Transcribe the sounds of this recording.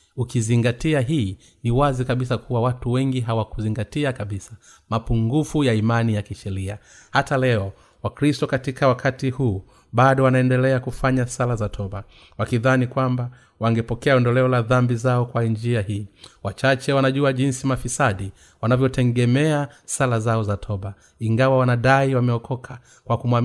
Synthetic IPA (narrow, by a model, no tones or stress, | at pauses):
ukiziŋɡatiaɦiː | niwazikaɓisakuwawatuwɛŋɡiɦawakuziŋɡatiakaɓisa | mapuŋɡufujaimanijakiʃɛɾia | hatalɛɔ | wakɾistɔkatikawakʰatihuː | ɓaɗɔwanaɛndɛlɛakufaɲasalazatʰɔɓa | wakiðanikwamba | waŋɡɛpɔkɛaɔndɔlɛɔlaðambizaɔkwand͡ʒiahiːwat͡ʃat͡ʃɛwanaʄuaʄinsimafisaɗi | wanavjɔtɛŋɡɛmɛasalazaɔzatʰɔɓa | iŋɡawawanaɗaiwamɛɔkʰɔkʰa | kwakumwa